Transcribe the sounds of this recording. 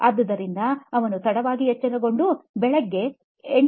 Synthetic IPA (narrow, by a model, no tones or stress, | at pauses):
ɐd̪ːɐd̪ɐɾind̪ɐɐʋɐnut̪ɐɽɐʋaːɡiɦɛt͡ʃːɐnɐɡo̞ɳɖubɛɭɐɡːe̞ | eɳ